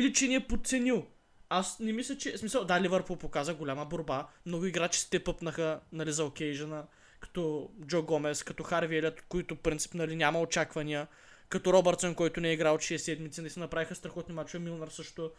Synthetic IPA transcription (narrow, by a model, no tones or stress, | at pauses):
ilit͡ʃɛniɛpot̪t̪sɛnilˠ | asnɛmislʲɐt͡ʃɛsmisəlˠd̪alʲivəɾpulˠpokazəɡolʲamɐboɾbamnɔɡʊiɡɾat͡ʃi̥si̥t̪ɛpɤpnɐxənɐlizɐokɛjʒɐnə | kɐ̥t̪ɔd͡ʒɔɡɔmɛskɐt̪ɔxaɾviɛlʲɐt̪koit̪ʊfpɾint̪si̥pnɐlinʲamɐot͡ʃakvɐniə | kɐt̪ɔɾɔbɛɾt̪sonkɔjt̪ʊnɛɛiɡɾalˠot̪ʃiɛsɛd̪mit̪sinɐlisɛnɐpɾavixɐst̪ɾɐxɔt̪nimat͡ʃoɛmilˠnɐɾsɤʃt̪ʊ